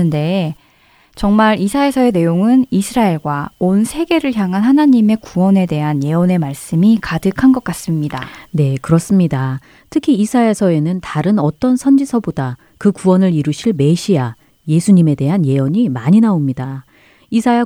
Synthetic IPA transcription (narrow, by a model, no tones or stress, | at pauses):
ɯnde̞ | t͡ɕʌŋmaɾisʰae̞sʰʌe̞ne̞joŋɯnisʰɯɾaeɭɡwaonsʰe̞ɡe̞ɾɯɭçjaŋɦanhanaɲime̞kuwʌne̞de̞ɦanje̞ʌne̞maɭs͈ɯmikadɯkʰanɡʌk͈as͈ɯmɲida̰ne̞kɯɾʌs͈ɯmɲida | tʰɯkʰiːsʰaesʰʌe̞nɯntaɾɯnʌt͈ʌnsʰʌnd͡ʑisʰʌboda | kɯkuwʌnɯɾiɾuɕʰiɭme̞ɕʰia | je̞sʰuɲime̞de̞ɦanje̞oɲimaɲinaomɲida | isʰaja